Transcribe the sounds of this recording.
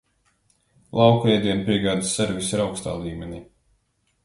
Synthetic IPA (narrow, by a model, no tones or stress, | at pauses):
lˠɑwkɛjd̪ʲiɛmpʲiɛɡaːd̪sːeɾvisiɾawkst̪a̰ːlˠiːmʲenʲiː